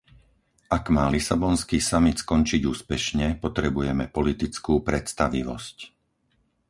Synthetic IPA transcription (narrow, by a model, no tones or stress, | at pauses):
ʔaɡmaːlisabɔnskiːsamit̪skɔnt͡ʃiɟuːspɛʃɲɛpɔt̪ɾɛbujɛmɛpɔlit̪it͡skuːpɾɛt̪st̪aʋiʋɔ̰sc